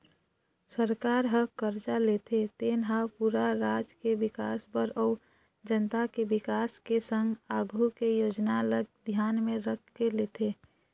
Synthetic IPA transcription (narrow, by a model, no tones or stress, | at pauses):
səɾkaːɾɦəkəɾt͡ʃalet̪ʰet̪eːnɦapuɾaɾaːd͡ʒkebɪkaːsbəɾɔu | d͡ʒənt̪akebɪkaːskesə̃ŋɡaːɡʱukejoːd͡ʒnaləɡ̚d̪ʱjaːnmẽɾəkʰkeleːt̪ʰe